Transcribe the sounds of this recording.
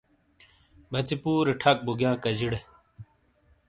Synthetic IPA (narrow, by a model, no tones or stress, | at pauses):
bɐt͡sipuːɾiʈʰɐk̚buɡjãːkɐd͡ʑiɽe